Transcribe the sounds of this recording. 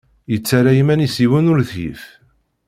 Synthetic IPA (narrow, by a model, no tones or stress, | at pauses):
jət͡sːaɾajimænisiwənʊɾθjḭf